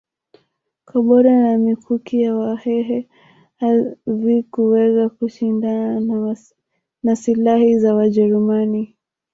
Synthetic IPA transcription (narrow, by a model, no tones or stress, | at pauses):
kaɓɔɾanamikʰukijawahɛɦɛ | haðikuwɛɣakuʃindana | nasilahizawaʄɛɾumani